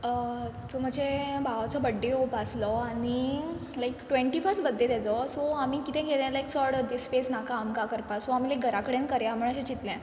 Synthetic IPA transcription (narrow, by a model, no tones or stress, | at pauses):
ət͡sɔm̤əd͡ʑʱebaʋat͡sɔbəɖːeɦopəslɔaɽ̃ilajkʈʋẽɳʈifəsʈbəd̪ʱːet̪at͡sɔsɔamiːkit̪ẽɡelãlaikt͡sɔɾɽd̪isːpesnakaːmkakəɾpasɔam̤iːlakɡʱəɾakəɽẽnkəɾjam̤əɳ̃əɕẽt͡ɕit̪ljã